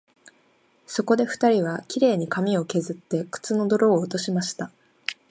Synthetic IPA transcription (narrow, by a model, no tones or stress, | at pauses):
so̞ko̞d̪e̞ɸɯ̟̥t̪aɾʲiβ̞akʲiɾe̞ːɲ̟ikamʲio̞ke̞zɨt̪ːe̞kɯ̥t͡sɨno̞d̪o̞ɾo̞ːt̪o̞ɕimaɕi̥t̪a